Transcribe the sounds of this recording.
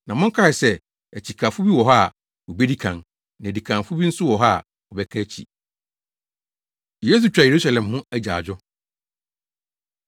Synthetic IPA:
nã˨mɔ̃˦ŋ̩˦kʰa˦ɪ˨sɛ˦ | æ˨t͡ɕʰi˨kʰa˨fʊ˦bi˦wɔ˨ɦa˦˨ | wɔ˨bɛ˦di˦kʰã˨n | nã˨di˨kʰã˨nfʊ˦bi˦n̩˦sʊ˦wɔ˨ɦa˦˨ | ɔ˨bɛ˦kʰɛ˦t͡ɕʰḭ˨ | jeː˦s̬u˨t͡ɕᶣɾa˨je˨ɾu˦sa˨lɛ̃˨mɦʊ̃˦æ˦d͡ʑa˨d͡ʑᶣʊ˦

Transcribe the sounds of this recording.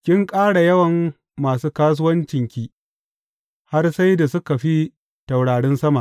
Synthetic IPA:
kʲɪ˦ŋkʼaː˦ɽa˨jɐ˦wɐ˨mː | aː˨suː˦kaː˦s̬ʊ˦wɐ˦nt͡ʃɪ˨ŋkʲiː˦ | ha˦rsa˦jda˨sʊ˦ka˨ɸi˦ | ta˨wɽaː˨ɽɪ˦nsɐ˦ma˨

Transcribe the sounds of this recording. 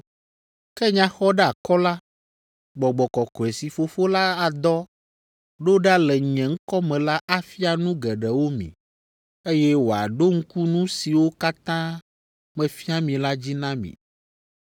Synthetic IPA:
kɛ˦ɲã˦xɔ˦ɖɛ˦a˨kɔ˦la˦ | ɡ͡bɔ˨ɡ͡bɔ˨kɔ˨kɔ˨ɛ˨si˨fo˨fo˦la˦a˨d̪ɔ˦ | ɖo˦ɖa˦lɛ˨ɲɛ̃˨ŋ̩˦kɔ˦mɛ̃˨la˦ʔa˦fi˦a˨nũ˦ɡɛ˨ɖɛ˨wo˦mḭ̃˨ | e˦jɛ˦wo˨a̰˨ɖo˦ŋ̩˦ku˦nũ˦si˨wo˦ka˦t̪ã˦ | mɛ̃˨fi˦a˦mĩ˨la˦d͡ʑi˦nã˦mḭ̃˨

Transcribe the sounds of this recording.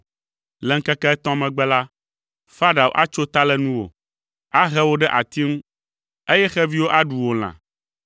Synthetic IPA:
lɛ˨ŋ̩˦kɛ˦kɛ˦ɛ˦t̪ɔ̃˦mɛ̃˨ɡ͡bɛ˦la˦ | fa˦ɖa˨wo̰˨ʔa˦t͡ʃo˦t̪a˦lɛ˦nũ˦wo̰˨ | a˦ɦɛ˦wo˦ɖɛ˦ʔa˨t̪i˦ŋũ˦ | e˦jɛ˦xɛ˦vi˦wo˦ʔa˦ɖu˨wo˨l̃ã̰˨

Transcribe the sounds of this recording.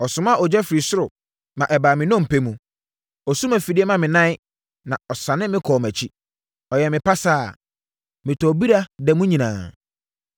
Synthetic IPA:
ɔ˨sʊ˨˦m˦a˦ɔ˨d͡ʑɛ˦fɾi˨sʊ˦ɾʊ˨ | mã˨ʔɛ˨baː˨mɪ̃˨nɔ̃˦m̩˨pʰe˦mũ˨ | ɔ˨su˦mæ˨fi˨di˦ɛ˦mã˨mɪ̃˨nã˦ɪ˦ | nã˨ɔ˨sã˨nɪ̃˦mɪ̃˦kʰɔː˨mæ˨t͡ɕʰi˦ | ɔ˨jɛ˨mɪ̃˨pa˦saː˦˨ | mɪ̃˨tʰɔ˨bi˦ɾa˦dɛ˨mũ˦ɲĩ˨nã̰ː˨

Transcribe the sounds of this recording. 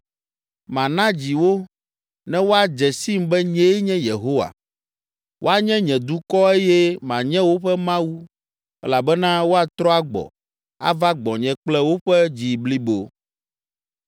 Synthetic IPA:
mã˨nã˦d͡ʑi˨wo˦ | nɛ̃˦wo˦a˨d͡ʒɛ˨si˦m˦bɛ˦ɲɛ̃˦ɲɛ̃˦je˨ɦo˦wa̰˨ | wʔo̰˦a˨ɲɛ̃˦ɲɛ̃˨d̪u˦kɔ˦e˦jɛ˦mã˨ɲɛ̃˦wo˦ɸɛ˦mã˦wu˦ | ɛ̰˦la˨bɛ˦nã˦wo˦a˨t̪ɾɔ˦a˦ɡ͡bɔ̰˨ | a̰˦va˦ɡ͡bɔ˨ɲɛ̃˦k͡plɛ˦wo˦ɸɛ˦d͡ʑi˨bli˦bo˨

